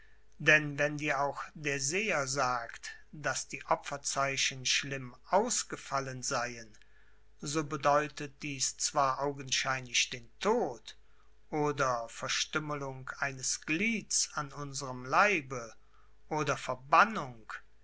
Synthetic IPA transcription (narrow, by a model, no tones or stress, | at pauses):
d̥ɛnvɛndiːɐaʊxd̥eːɐzeːɐzaːktd̥asd̥iːʔɔfɐt͡saɪɕən̩ʃlɪmʔaʊsɡ̥əfalənzaɪən | zoːbədɔʏtət̚d̥iːst͡sv̥aːɐʔaʊɡən̩ʃaɪnlɪçd̥eːntʰoːt | ʔoːdɐfɛɐʃtʏməlʊŋkaɪnəsɡ̥liːt͡sanʔʊnzəʁəmlaɪbə | ʔoːdɐfɛɐbanʊŋk